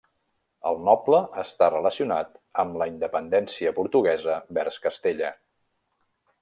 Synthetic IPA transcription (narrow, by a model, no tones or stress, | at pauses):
əlˠnɔpləəst̪arələsiunat̪əmləind̪əpənd̪ɛnsiəpuɾt̪uɣɛzəbɛɾskəst̪eʎə